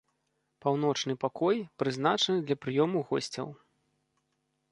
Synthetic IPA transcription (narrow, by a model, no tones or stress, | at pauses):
pawn̪ɔt͡ʂnɨpakɔjpɾɨzn̪at͡ʂɐnɨd̪lʲɐpɾɨjɔmuɣɔ̰sʲt͡sʲɐ̰w